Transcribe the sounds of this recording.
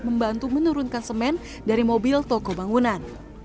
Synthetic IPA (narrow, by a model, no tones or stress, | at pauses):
məmbant̪umənuɾunkansəmɛn | daɾimobilt̪ɔkɔbaŋunan